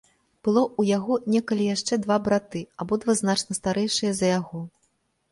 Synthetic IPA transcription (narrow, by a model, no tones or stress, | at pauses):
b̥ɨlˠɔujaɣɔnʲɛkɐlʲijaʂt͡ʂɛd̪vabɾat̪ɨabɔd̪vaznat͡ʂnɐst̪aɾɛjʂɨjɐzɐjaɣɔ